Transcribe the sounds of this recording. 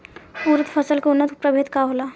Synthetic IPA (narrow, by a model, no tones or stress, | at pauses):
uːɾət̪fʰɐsəlkeʊnːət̪pɾəbʱeːt̪kaɦoːla